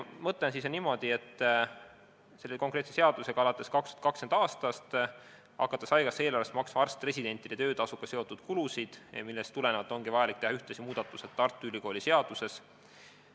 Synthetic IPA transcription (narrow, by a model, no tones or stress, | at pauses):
mɤt̪ˑlensisenimo̞d̪̥ie̞t̪ːˑ | se̞lːekokɾet̪sese̞ɑd̪̥use̞ɡ̥ɑɑlɑt̪ːˑe̞skɑkst̪u̥ɑt̪kɑksend̪ɑːst̪ɑst̪ | ɑ̰kːˑɑt̪ːˑesɑjɡɑsːe̞ːloɾlest̪mɑksmɑɑrst̪re̞sʲid̪e̞nʲt̪ˑid̥̪e̞t̪ø̞ːd̪ɑsukːˑɑse̞o̞t̪ːˑud̪̥kulusid̪̥milːest̪ule̞nevɑt̪ːˑo̞ŋɡivɑjɑlik̚t̪e̞hɑyht̪esimuːd̪̥ɑt̪ːˑuset̪ːɑrt̪ːˑuylʲiko̞ːlise̞ɑd̪̥use̞s